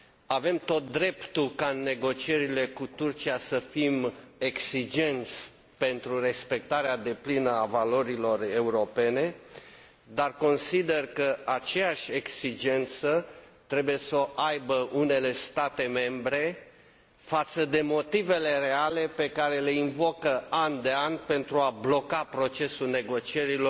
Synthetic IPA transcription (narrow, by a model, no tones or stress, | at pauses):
ave̞mt̪o̞t̪̚d̪ɾe̞pt̪ukaɨnːe̞ɡo̞t͡ʃie̞ɾile̞kut̪urt͡ʃiasəfime̞ksid͡ʒe̞nt̪sʲ | pe̞nt̪ɾure̞spe̞k̚t̪aɾead̪e̞plinəavalo̞ɾilo̞re̞uɾo̞pe̞ne̞ | d̪arko̞nsid̪e̞rkəat͡ʃe̞jaʃʲe̞ksid͡ʒe̞nt̪sət̪ɾe̞buje̞səʔajbəʔune̞le̞st̪at̪e̞me̞mbɾe̞ | fat̪səd̪e̞mo̞t̪ive̞le̞re̞ale̞pe̞kaɾe̞le̞invo̞kəand̪e̞anʲpe̞nt̪ɾuablo̞kapɾo̞t͡ʃe̞sulne̞ɡo̞t͡ʃie̞ɾilo